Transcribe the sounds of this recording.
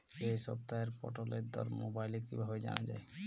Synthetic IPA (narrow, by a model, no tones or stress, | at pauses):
esɔb̚t̪aeɾpɔʈoleɾd̪ɔɾmobajlekibʱabed͡ʒa̰nad͡ʒa̰e